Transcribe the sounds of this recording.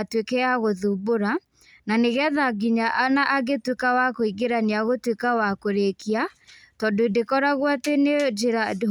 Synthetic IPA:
twekɛaɣoðuboɾa | naneɣɛðaɡiɲaʔanaʔaɡetwekawakoiɡeɾaniaɣotwekawakoɾekiatɔdodekɔɾaɣwatened͡ʒeɾad

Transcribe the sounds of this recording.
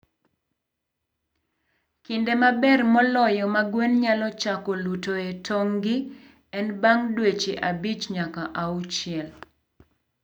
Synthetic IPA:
kindemabɛrmɔlɔjɔmaɡwenɲalɔt͡ʃakɔlutoetʰɔŋɡɪ | ɛnbaŋdwet͡ʃeʔabit͡ʃɲakaʔaut͡ʃɪɛl

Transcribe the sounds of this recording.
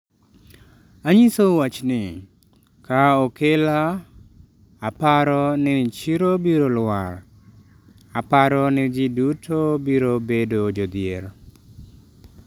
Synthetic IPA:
aɲisowat͡ʃnɪ | kaokela | paɾɔnɪt͡ʃiɾobiɾolwaɾ | apaɾɔnɪd͡ʒɪdutʰobiɾobedod͡ʒod̪ɪeɾ

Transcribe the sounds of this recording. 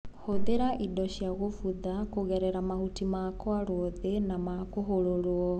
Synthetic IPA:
hoðeɾaʔidɔʃjaɣofuðakoɣɛɾɛɾamahutimakwaɾooðenamakoɦoɾoɾwɔ

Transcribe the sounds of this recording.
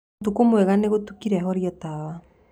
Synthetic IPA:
tukomwɛɣaneɣotukiɾɛɦɔɾjɔtaβa

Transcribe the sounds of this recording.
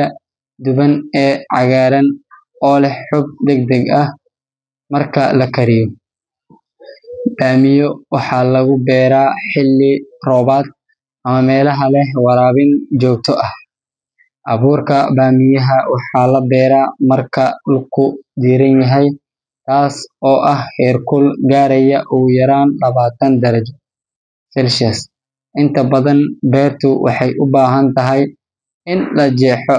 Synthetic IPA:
ɐ | d̪ʊβɐnɛːʕɑɣaːɾɐn | ɔːlɛħʊb̚d̪ɛɡ̚d̪ɐɡɐh | mɐrkʰɐlɐkʰɐɾɪjɔ | b̥aːmɪjɔwɑħɑːlɐɣʊbɛːɾaːħɪlːɪrɔːβaːd̪̚ | ʔɐmɐmɛːlɐɦɐlɛɦwɑɾaːβɪnt͡ʃɔːk̚t̪ʰɔʔɐh | ʔɐβuːrkʰɐbaːmɪjɐɦɐwɑħɑːlɐbɛːɾaːmɐrkʰɐlkʰʊd̪iːɾɐnjɐɦɛj | t̪ʰaːsɔːʔɐhhɛːrkʰʊlɡaːɾɐjɐʔuːjɐɾaːnlɐβaːt̪ʰɐnd̪ɐɾɐd͡ʒɔ | sɛlʃɐs | ʔɪnt̪ʰɐbɐðɐnbɛːrt̪ʰʊwʔɑ̰ħɑjʔʊbaːɦɐnt̪ʰɐɦɛj | ɪnlɐd͡ʒɛːħɔ

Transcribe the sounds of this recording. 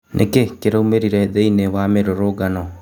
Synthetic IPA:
nʔḛkekeɾaumeɾiɾɛðeinewameɾoɾoɡanɔ

